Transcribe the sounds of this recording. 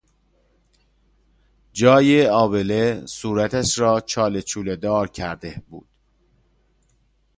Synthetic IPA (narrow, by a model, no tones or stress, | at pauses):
d͡ʒɒːjeɒːbelesuːɾæt̪ʰæʃɾɒːt͡ʃʰɒːlet͡ʃʰuːled̪ɒːɾcʰæɾd̪ebṵːd̪̥